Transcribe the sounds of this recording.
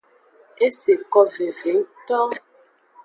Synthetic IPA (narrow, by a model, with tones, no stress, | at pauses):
e˦se˨kɔ˦ve˨ve˨˦ŋ˦tɔ˦